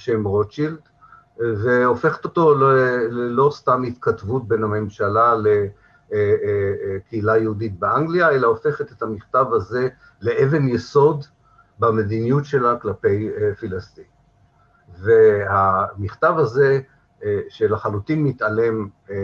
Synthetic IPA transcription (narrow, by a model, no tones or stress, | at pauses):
ʃemʁot͡ʃild̪ | ve̞o̞fe̞χe̥t̪o̞t̪o̞llelo̞st̪amhit̪katvut̚benhame̞mʃalale | kʰeilajehudit̚beʔaŋɡliaelao̞fe̞χet̪et̪hamiχt̪avhaze̞ | le̞ʔeve̞njeso̞d | bame̞d̪inijutʃe̞laklape̞jfilast̪in | vehamiχt̪avaze | ʃelaχalut̪inːit̪ale̞m